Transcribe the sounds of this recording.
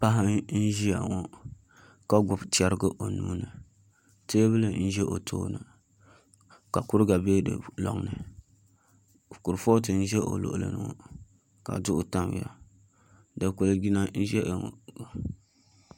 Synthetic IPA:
pa˦ɦɪ˦n̩˦ʒi˦ja̰˨ŋɔ˦ | ka˦ɡʊ˨bt͡ʃɛ˦ɾɨ˦ɡɨ˦ʔo˨nuː˦nɨ˨ | te˦bɨ˦lɨ˨n̩˦ʒɛ˦ʔo̰˨tʰo̰ː˦nɨ̰˨ | ka˨kʊ˦ɾɨ˦ɡa˨beː˦dɨ̰˨lɔ̰˨ŋnɨ˨ | ku˨ɾfo˦t̬ɨ˨n̩˦ʒɛ˦ʔo̰˨lo̰˨ʔlɨ̰˨nɨ̰˨ŋɔ̰˨ | ka̰˨dʊ˦ʔʊ˨ta˦mw̰ja̰˨ | dɨ˨ko˨lɡi˦na˦n̩˦ʒɛ˦ʔŋo̰˨a˨

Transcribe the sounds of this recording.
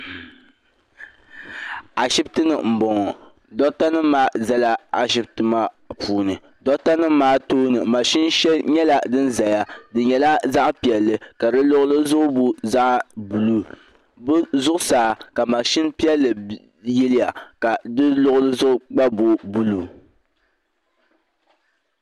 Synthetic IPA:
a˨ʃi˦btɨ˦nɨ˨m̩˨bɔ˨ŋɔ˨ | dɔ˦ta˦nɨ˦maː˦za˦la˦a˨ʃ̬i˦b̚tɨ˦ma˦ | puː˦nɨ˨ | dɔ˦ta˦nɨ˦maː˦toː˦nɨ˨ma˨ʃɪ˦nʃɛ˦lɲɛ˦la˨dɨ˦nza˨ja˦dɨ˨ɲɛ˨la˦za˦ʔpi˨ɛ˨lːɨ˨ka˨dɨ˦lʊ˦ʔʊ˦lɨ˦zʊ˦ʔʊ˦bo˦za˦ʔbu˨lu˨ | bzʊ˦ʔʊ˦saː˨ka˨ma˨ʃi˦npi˦ɛ˦lːɨ˨ | jɛ˦lɪ˦ja˨ka˨dɨ˦lʊ˦ʔʊ˦lɨ˦zʊ˦ʔʊ˦ɡ͡ba˦bo˨bu˦˨lu˦˨

